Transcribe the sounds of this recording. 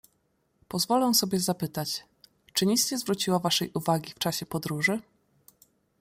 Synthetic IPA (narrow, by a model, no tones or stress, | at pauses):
pɔzvɔlɛw̃sɔbʲjɛzapɘt̪at͡ɕ | t͡ʂɘɲist͡ɕɛzvɾut͡ɕiwavaʂɛjʔuvaɡʲift͡ʂaɕɛpɔd̪ɾuʐɘ